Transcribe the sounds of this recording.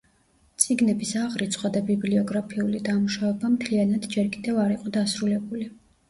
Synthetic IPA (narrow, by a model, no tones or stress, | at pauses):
t̪sʼiɡnɛbisaʁɾit̪sʰʼχʼad̪abibliɔɡɾapʰiulid̪amuʃavɛbamt̪ʰlianad̪d͡ʒɛɾkʼid̪ɛvaɾiqʼɔd̪asɾulɛbuli